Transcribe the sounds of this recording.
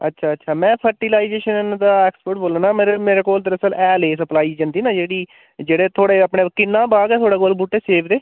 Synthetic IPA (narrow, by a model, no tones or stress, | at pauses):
ə̰tːʃʰaːətːʃʰaːmɛ̃ːpʰəɾʈiːlaːid͡ʒeːʃənd̪aːɛːkspəɾʈ̚boːlaːnaːmeːɾemeːɾeːkoːld̪əɾəsəlɛːleːsəplaːiːd͡ʒənd̪iːnãːd͡ʒeːɽiː | d͡ʒeːɽeːt̪ʰoːɽeːəpɳeːkɪnːãːbaːɡɛːt̪ʰoːɽaːkoːlbuːʈːeːseːpʰd̪eː